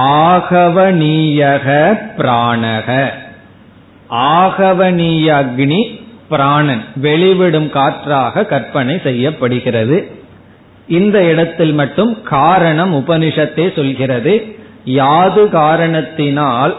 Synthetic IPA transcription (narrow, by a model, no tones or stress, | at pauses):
aːɣɐʋɐniːjɐɣɐpɪɾaːɳɐɣɐ | aːɣɐʋɐniːjɐɡɳipɪɾaːɳɐnʋɛɭɪʋɪɽɯmkaːʈraːɣɐkɐɾpɐɳɐɪsɛjːɐpːɐɽɯɣɪrɐðɯ | ʔɪnd̪ɐɪɽɐt̪ːɪlmɐʈːɯmkaːɾɐɳɐmʊpɐnɪʂɐt̪ːeːsɔlɣɪrɐðɯ | jaːðɯɣaːɾɐɳɐt̪ːɪnaːl